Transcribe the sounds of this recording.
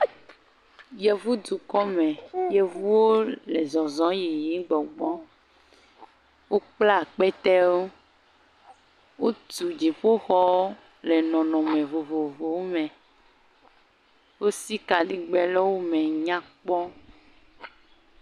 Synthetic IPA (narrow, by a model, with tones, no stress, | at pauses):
je˨vu˦d̪u˨kɔ˦mɛ̃˨je˦vu˦wo˦le˨zɔ˨zɔ̃˨˦ji˨ji˨˦ɡ͡bɔ˨ɡ͡bɔ˦ | wo˦k͡pla˦˨k͡pɛ˦t̪ɛ˦wo˦ | wo˦t̪u˨d͡ʒi˨ɸo˦xɔ˦wo˦ | le˨nɔ̃˨nɔ̃˨mẽ˨vo˨vo˨vo˨wo˦mɛ̃˨ | wo˦si˦ka˨li˦ɡ͡bɛ˨lɔ˦wo˦mɛ˨ɲã˦k͡pɔ˦